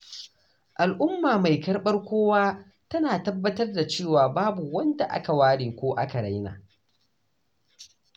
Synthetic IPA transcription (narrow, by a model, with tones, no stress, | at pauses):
ʔa˨lʔʊ˦mːaː˨ma˨jkɐ˦rɓɐ˦rkʷoː˦waː˦ | tɐ˦naː˨tɐ˦bːɐ˦tɐ˦rda˨t͡ʃeː˦˨waː˨baː˦bu˨wɐ˦nda˨ʔa̰˦ka˨waː˦ɽeː˨kʷoː˦ʔa˦ka˨ɽa˦jna̰ː˨